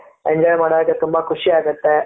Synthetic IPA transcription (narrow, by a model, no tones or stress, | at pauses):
eɲd͡ʒɔːjmaːɽod̪ɐkːet̪umbɐkʰʊʃiaːɡut̪ːe